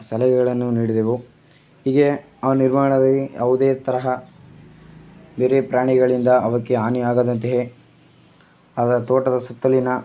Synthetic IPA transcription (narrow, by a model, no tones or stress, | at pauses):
sɐlɛɡɛɡɐɭɐnːuniːɽid̪eʋu | hiːɡe | ɐʋɐnniɾmaːɳɐd̪ɐlːiɐʋud̪eːt̪ɐɾɐɦɐ | beːɾepɾaːɳiɡɐɭind̪ɐɐʋɐkːeɦaːniaːɡaːd̪ɐnt̪eɦe | aːd̪ɐɾɐt̪oːʈɐd̪ɐsɐt̪ːɐlːinɐ